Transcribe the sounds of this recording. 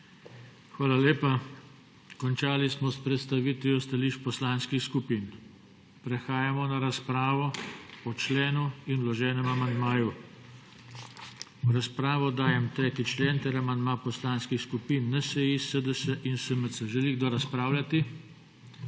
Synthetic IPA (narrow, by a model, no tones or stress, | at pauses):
xʋaːlaleːpa | kɔnt͡ʃaːlismɔspɾɛt̪st̪aʋiːt̪ʋjɔst̪aliːʃpɔslanskixskupiːn | pɾɛxaːjamɔnaɾaspɾaːʋɔɔt͡ʃleːnuinwlɔʒɛːnɛmamand̪maːju | ɾaspɾaːʋɔd̪aːjɛmt̪ɾeːt̪it͡ʃleːnt̪ɛɾamand̪maːpɔslaːnskixskupiːnːɛsɛjisəd̪əsəʔinsəməsəʒɛliɣd̪ɔɾaspɾaːwlʲat̪i